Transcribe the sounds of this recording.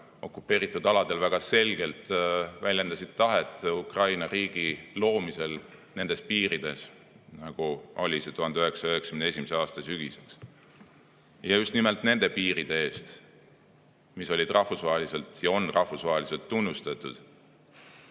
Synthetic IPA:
o̞̰kːˑupːe̞ːɾit̪ːˑud̪ɑlɑd̪̥e̞lvæɡ̥ɑse̞lʲɡe̞lt̪vælʲjend̪ɑsid̪̥̚t̪ɑɦe̞t̪ːˑukrɑjnɑɾiːɡ̥ilo̞ːmise̞l | ne̞nd̪espiːɾid̪̥e̞s | nɑɡ̥uʔo̞̰lʲise̞t̪uɦɑnd̪eøe̞ksɑøɦeksɑ̥ymnesʲimeseɑːst̪ɑsyɡ̥iseks | jɑust̪nime̞lt̪ne̞nd̪̥e̞piːɾid̪̥e̞e̞ːst̪ | miso̞lʲid̪rʔɑhfusvɑɦelise̞lt̪jɑo̞nrʔɑhfusvɑɦelise̞lt̪ːunːust̪ɑt̪ːˑud̪̥

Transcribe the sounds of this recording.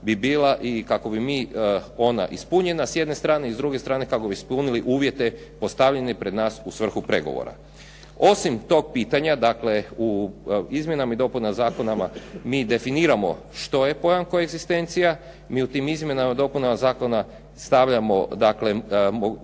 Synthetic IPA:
bibiːlaʔikako̞bimiːo̞na̰ʔispuɲe̞nasjed̪ne̞st̪ɾaːneizd̪ɾuɡe̞st̪ɾaːne̞kako̞bispuniliʔuːʋje̞t̪e̞po̞st̪aʋʎenepɾe̞d̪naːsusʋr̩xupɾe̞̰ɡo̰ʋo̰ɾa̰ | o̞simt̪o̞ːɡ̚piːt̪aɲad̪akle̞uizmje̞namaid̪o̞punazaːko̞namamiːd̪e̞finiːɾamo̞̰ | ʃt̪o̞je̞po̞jaŋkojeɡzist̪e̞nt̪sija | miːut̪iːmizmje̞namad̪o̞punamazaːko̞na | st̪aʋʎamo̞̰d̪akle̞mo

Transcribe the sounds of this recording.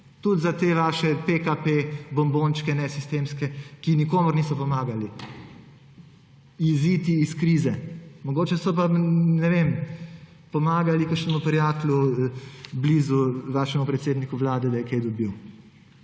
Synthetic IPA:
t̪ut̪zat̪eːʋaːʃɛpekapebɔmbont͡ʃkɛnɛsist̪eːmskɛkinikoːmɔɾniːsɔpɔmaːɡali | izit̪iːskɾizɛmɔɡoːt͡ʃɛsɔp̬anɛʋem | pɔmaːɡalikaʃnɛmupɾijaːt̪lu | bliːzuʋaːʃɛmupɾɛt̪seːd̪nikuʋlaːd̪ɛd̪ajɛkejd̪ɔbiw

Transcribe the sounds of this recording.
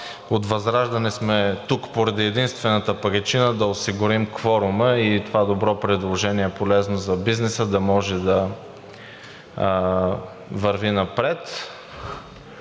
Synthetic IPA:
ot̪vɐzɾaʒd̪ɐnismɛt̪ukpoɾɐd̪iɛd̪inst̪vɛnət̪əpɐɡɐt͡ʃinəd̪ɐosiɡʊɾimkfɔɾʊməit̪ovad̪obɾɔpɾɛd̪lˠoʒɛniɛpolɛznozɐbiznɛsəd̪ɐmɔʒɛd̪ɐ | vɐɾvinɐpɾɛt̪

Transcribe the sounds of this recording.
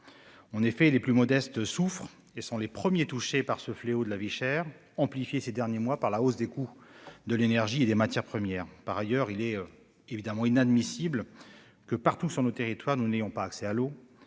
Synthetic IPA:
ɑ̃nefɛleplymɔd̪ɛst̪sufχ | esɔ̃lepχəmjet̪uʃepaʁsəfleod̪əlaviʃɛːʁ | ɑ̃plifjesed̪ɛʁnjemwapaʁlaosd̪ekud̪əlenɛʁʒied̪emat̪jɛʁpχəmjɛːʁpaʁajœʁilɛø | evid̪amɑ̃inad̪misibl | kəpaʁt̪usyʁnot̪eʁit̪waʁnunejɔ̃paːksɛalo

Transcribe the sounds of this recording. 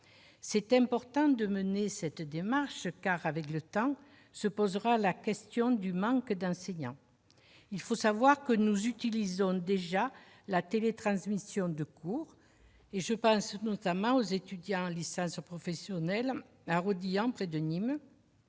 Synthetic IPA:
sɛt̪ɛ̃mpɔʁt̪ɑ̃d̪əmənesɛt̪d̪emaʁʃkaʁavɛklət̪ɑ̃ | səpɔzəʁalakɛst̪jɔ̃d̪ymɑ̃kd̪ɑ̃sɛɲɑ̃ | ilfosavwaʁkənuzyt̪ilizɔ̃d̪eʒa | lat̪elet̪χɑ̃smisjɔ̃d̪əkʰuʁ | eʒəpɑ̃snɔt̪amɑ̃ozet̪yd̪jɑ̃ɑ̃lisɑ̃spχɔfɛsjɔnɛl | aʁod̪iɑ̃pχed̪ənim

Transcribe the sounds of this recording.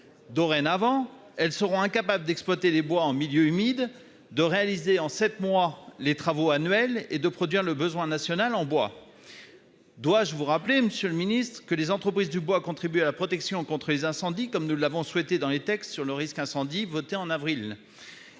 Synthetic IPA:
d̪ɔʁɛnavɑ̃ | ɛlsəʁɔ̃ɛ̃kapabləd̪ɛksplwat̪elebwaɑ̃miljøymid̪ | d̪əʁealizeɑ̃sɛt̪mwalet̪χavoanɥɛled̪əpχɔd̪ɥiʁləbəzwɛ̃nasjɔnalɑ̃bwa | d̪waʒəvuʁapleməsjøləminist̪χəkəlezɑ̃t̪χəpχizd̪ybwakɔ̃t̪χibyalapχɔt̪ɛksjɔ̃kɔ̃t̪χəlezɛ̃sɑ̃d̪ikɔmnulːavɔ̃swɛt̪ed̪ɑ̃let̪ɛkst̪syʁləʁiskɛ̃sɑ̃d̪ivɔt̪eɑ̃navʁil

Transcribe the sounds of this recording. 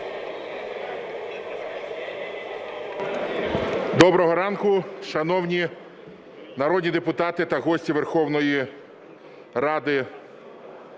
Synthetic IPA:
d̪ɔbɾɔɦɔɾɑnkʊʃɐnɔwnʲi | nɐɾɔd̪ʲnʲid̪epʊt̪ɑt̪ɪt̪ɐɦɔsʲtʲiʋerxɔwnɔji | rɑd̪ɪ

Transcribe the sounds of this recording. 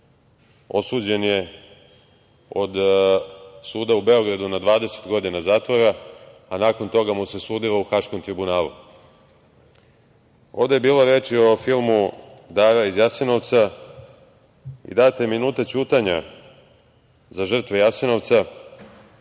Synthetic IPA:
o̞suːd͡ʑe̞nje̞ | o̞d̪ | suːd̪aube̞o̞ɡɾad̪unad̪ʋaːd̪e̞se̥t̪ɡo̞d̪inazaːt̪ʋoɾaanaːko̞nt̪o̞ɡamuse̞suːd̪ilouxaʃko̞mt̪ɾibunaːlˠṵ | o̞ːʋd̪e̞jebiːloɾe̞ːt͡ʃio̞filˠmud̪aːɾaizjaseno̞ʋt̪sa | ḭd̪aːt̪e̞minuːt̪at͡ɕuːt̪aɲa | zaʒr̩t̪ʋejaseno̞ʋt̪sa

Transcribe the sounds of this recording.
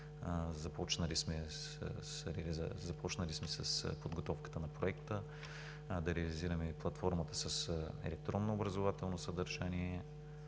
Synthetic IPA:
zɐpɔt͡ʃnəlismɛs | ə̰sɾɛlizzɐpɔt͡ʃnɐlismɛsɐ̰spod̪ɡot̪ɔfkə̥t̪ənɐpɾoɛkt̪ə | d̪ɐɾɛəliziɾɐmɛplˠɐt̪fɔɾmət̪əsɐsɛ̰lɛk̚t̪ɾɔnːoːbɾɐzovat̪ɛlˠnosəd̪ɐɾʒaniɛ

